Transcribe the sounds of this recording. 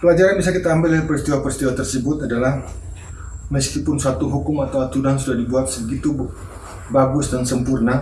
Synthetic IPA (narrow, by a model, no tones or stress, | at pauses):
pəlad͡ʒaɾanbisakit̪aːmbɪlpəɾist̪iwapəɾist̪iwat̪ərsəbʊt̪adalah | məskipʊnsat̪uɦukʊmat̪awat̪udaŋs̬udahdibuat̪̚səbəɡit̪u | baɡʊsdansəmpurna